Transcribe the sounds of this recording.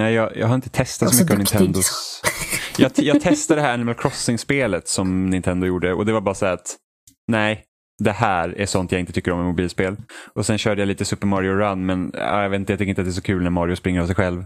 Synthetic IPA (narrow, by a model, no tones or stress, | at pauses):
nɛɪjɑːjɑ̰ɡɦaɾɪnt̪ə̥t̪ʰɛst̪at̪sɔmʏkkːəɔvnɪnt̪ʰɛnd̪ʊ | jɑːjɑːɡt̪ʰɛst̪ad̪ɛɦæːanɪmɛlkʰɾɔsːɪŋspeːlət̪sɔmnɪnt̪ʰɛnd̪ʊjuːɖəɔ̰d̪ɛvabɑːɾasææːɾat̪ | næɪ | d̪ɛhæːɾæ̰ʂɔnt̪jaɪnt̪ət̪ʰʏkːəɾɔmːɛmʊbiːlspeːlʔɔsɛnɕœːɖəjaliːt̪əsɵpːəɾmɑːɾɪʊɾanːmɛnɑ̰ːjɑvet̪nt̪əjɑt̪ʏkːɾɪnt̪at̪d̪æs̬ɔkʰʉ̟ːlnæɾmɑːɾɪʊspɾɪŋːəɾavsɛɪjɧɛlv